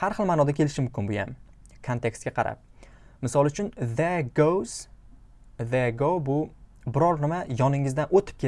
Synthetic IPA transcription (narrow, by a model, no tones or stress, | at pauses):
haɾχɨlˠmaːnɒd̪akʲʰe̞lɪʃɪmʊmkʲɪnbʊja̰m | kʰont̪ʰe̞kst̪ɡʲaqʰɑɾa̰p̚ | mɪsɒlˠʊt͡ʃʰʊnðeɡowz̥ | ðeɡowbʊbɪɾɒɾnɪmajɒnɪŋɪzd̪anʔot̪ʰɪ̥p̚kʰʲe